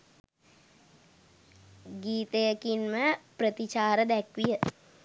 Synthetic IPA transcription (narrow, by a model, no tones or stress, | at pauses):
ɡiːt̪əjəkinməprət̪it͡ʃaːɾəd̪ækʋijə